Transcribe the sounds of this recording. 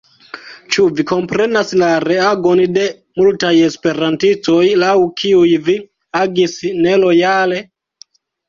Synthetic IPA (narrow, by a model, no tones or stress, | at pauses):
t͡ʃuviko̞mpɾe̞naslaɾe̞aɡo̞nde̞ | multaje̞spe̞ɾantisto̞jlawkʰiujvi | aɡisnelo̞jale̞